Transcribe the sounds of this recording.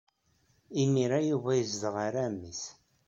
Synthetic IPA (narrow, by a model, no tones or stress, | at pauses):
imiɾajuvæjəzðəʁaɾæmːis